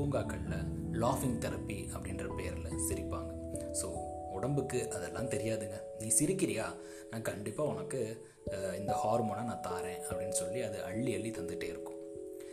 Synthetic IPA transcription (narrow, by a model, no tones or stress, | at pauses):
uːŋɡaːkːɐɭɪlɐ | laːfɪŋɡt̪ɛɾɐpːiʔɐpːɐɽɪndrɐpeːɐɾɪlɐsɪɾɪpːaːŋɡɐsoːʊɽɐmbɯkːɯʔɐðɛlːãːt̪ɛɾɪjaːðɯŋɡɐ | niːsɪɾɪkːɪɾɪjaː | nãːkɐɳɖɪpːaːʊnɐkːɯ | ɪnd̪ɐhaːɾmoːnaːnãːt̪aːɾẽːɐpːɐɽɪnːɯsɔlːiɐðɯʔɐɭːiɐlːit̪ɐnd̪ɯʈːeːɪɾɯkːʊ̥̃